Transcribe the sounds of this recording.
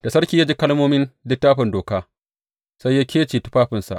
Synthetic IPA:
d̥a˨sɐ˦ɽkʲiː˦jaː˦d͡ʒiː˦kɐ˦lmoː˦mɪ˦nlɪ˦tːaː˦ɸɪ˨ndoː˨kaː˦ | sa˦jːaː˦kʲʰeː˦t͡ʃiː˨tu̥˦ɸaː˦ɸɪ˨nsa̰˨ʔ

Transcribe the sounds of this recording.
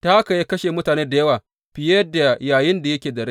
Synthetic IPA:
ta˦ʔka˨je˦kɐ˦ʃeː˨mʊ˦taː˨neː˦da˨jɐ˦waː˨ | ɸɪ˨je˦da˨jaː˨jɪ˦nda˨jɐ˦kʲeː˨dɐ˨ɽe˦

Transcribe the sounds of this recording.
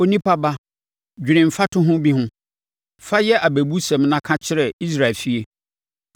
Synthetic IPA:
o˦nĩ˦pa˦ba˦ | d͡ʑᶣi˨ɾɪ̃˨m̩˨fa˦tʰʊ̃˦ɦʊ̃˦bi˦ɦʊ̃˦ | fa˦jɛ˦ʔa˨bæ˨bu˦sɛ̃˨mnã˦kʰã˦t͡ɕʰɪ˦ɾɛ˨i˦s̬ɾa˨lfi˦e˨

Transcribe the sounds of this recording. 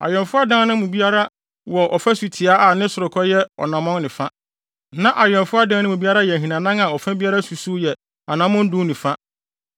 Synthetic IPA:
a̰˨jɛ̃˨nfʊ˦a˦dã˦nʊ̃˦mũ˨bi˦a˦ɾa˦ | wɔ˨ʔɔ˨fɛ˦su˨tʰi˨a˦a˨nɪ̃˦sʊ˨ɾʊ˨kʰɔ˦jɛ˦ɔ̰˨nã˨mɔ̃˦ŋnɪ̃˨fa˦ | nã˦ʔa˨jɛ̃˨nfʊ˦a˦dã˦nʊ̃˦mũ˨bi˦a˦ɾa˦jɛ˨ɦĩ˨nã˨nã˦ŋa˨ɔ˨fɛ̃˦bi˦a˦ɾa˦su˨su˦jɛ˨ | a˨nã˨˦mʊ̃˦n̩˦dʊ̃˦nɪ̃˨fa˦

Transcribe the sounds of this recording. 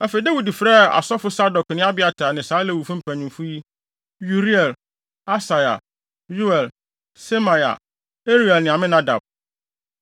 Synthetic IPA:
ɛ˦fe˨i˦de˦wi˨di˨fɾɛ˦˨a̰˨sɔ˦fʊ˦sa˦dɔ˨knɪ̃˦a˦bɪ˦a˨tʰaː˨nɪ̃˨saː˨˦lɛ˦˨wu˨fũ˦m̩˦pʰæ̃˨ɲĩ˨fu˦ji˦ | ju˨ɾi˦ɛ˨l | a˦sa˨ja̰˨ | ju˦ɛ˨l | se˦mã˨ja̰˨ | e˦ɾi˦ɛ˨lnɪ̃˨a˨mɪ̃˦nã˦da̰˨b̚

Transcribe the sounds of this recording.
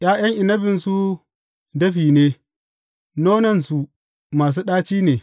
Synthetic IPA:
j̰aː˦j̰ɐ˦ŋʔɪ˨nɐ˦bɪ˨nsu˦ | dɐ˦ɸiː˨neː˦ | noː˦nɐ˦nsu˨ | maː˨s̬uː˦ɗaː˦t͡ʃiː˦neː˨

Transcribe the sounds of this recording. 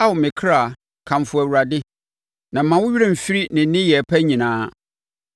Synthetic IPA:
a˦wʊ˨mɪ̃˨kʰɾa˦˨ | kʰã˨m˨fʊ˨æ˨wu˨ɾa˨dɪ˦ | nã˨˦mã˨˦wʊ˦ɥi˦ɾẽ˦˨m̩˨fi˦ɾi˦nɪ̃˨˦nɪ̃˦jɛ˨pʰæ˦ɲĩ˨nãː˨˦

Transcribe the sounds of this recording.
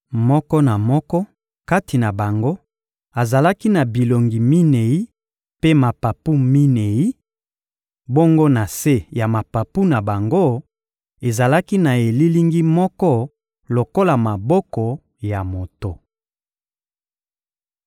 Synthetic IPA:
mɔ˦kɔ˦na˨mɔ˦kɔ˦ | ka˦ti˨na˨ba˨ŋɡo˦ | a˨za˨la˦ki˦na˨bi˨lo˨ŋɡi˨mi˦ne˨ji˦ | pe˦ma˨pa˨pu˦mi˦ne˨ji˦ | bo˦ŋɡo˦na˨se˦ja˨ma˨pa˨pu˦na˨ba˨ŋɡo˦ | e˨za˨la˦ki˦na˨e˨li˦li˦ŋɡi˦mɔ˦kɔ˦ | lo˨ko˦la˨ma˨bɔ˦kɔ˨ | ja˨mo˨to˦

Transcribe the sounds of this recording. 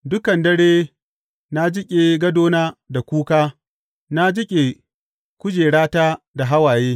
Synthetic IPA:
dʊ˦kɐ˨ndɐ˦ɽeː˦ | na˦d͡ʒɪ˦kʲʼe˨ɡɐ˦doː˦naː˦da˨kʷuː˦kaː˦ | na˦d͡ʒɪ˦kʲʼe˨ | kʷʊ˦d͡ʒeː˨ɽaː˦taː˦ | da˨ɦa˦waː˨jeː˦

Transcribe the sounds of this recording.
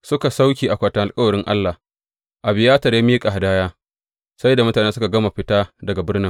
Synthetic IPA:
sʊ˦ka˨sa˦wkʲiː˨ʔa˨kʷaː˦tɐ˨ŋʔa˨lkʼɐ˦wɐ˨ɽɪ˦ŋʔa̰˦lːa˨h | ʔa˨bɪ˨jaː˦tɐ˨rjaː˦miː˦kʼa˨ɦa˨daː˦jaː˦ | sa˦jda˨mʊ˦taː˨neː˦sʊ˦ka˨ɡɐ˦ma˨ɸɪ˦taː˦dɐ˨ɡa˨bɪ˦rnɪ˦ŋ

